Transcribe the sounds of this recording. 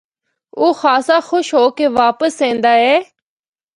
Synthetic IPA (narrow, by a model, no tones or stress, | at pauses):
oːxaːsaːxʊʃɦoːkeːʋaːpəsẽːnd̪aːɦɛː